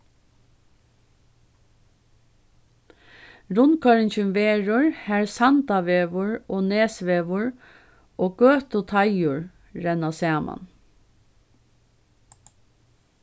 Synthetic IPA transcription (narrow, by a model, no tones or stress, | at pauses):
ɹʊnkʰɑɹɪnçʏmʋeːɹʊɹhæːɹsɑnt̪ɑʋeːʋʊɹoːneːsʋeːʋʊɹ | ʔoːɡ̥øːt̪ʊt̪ʰɑɪʊɹ | ɾɛnɑsæːmʔɑ̰n